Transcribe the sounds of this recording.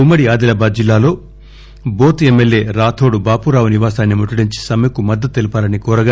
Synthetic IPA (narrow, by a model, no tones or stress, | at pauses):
umːɐɽiaːd̪ilɐbaːd̪̚d͡ʒilːaːlo̞ː | boːt̪emːelje̞ːɾaːt̪ʰoːɽubaːpuɾaːʋuniʋaːsaːnːimuʈːuɽiɲt͡ʃi̥sɐmɐjɐkumɐd̪ːɐt̪uelupaːɾɐnikɔːɾɐɡa